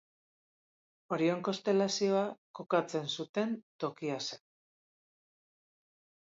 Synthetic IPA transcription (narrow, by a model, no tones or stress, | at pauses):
o̞ɾio̞ŋko̞st̪e̞lasio̞ako̞kat͡se̞nsut̪e̞nt̪o̞kiase